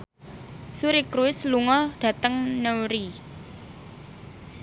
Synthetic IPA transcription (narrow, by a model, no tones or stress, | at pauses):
suɾikɾuɪsluŋɔɖ̥ä̤t̪əŋnəwɾi